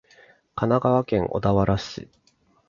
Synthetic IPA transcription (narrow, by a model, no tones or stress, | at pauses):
kanaɡaβakẽ̞ŋʔo̞̰d̪aβaɾaɕɨ̰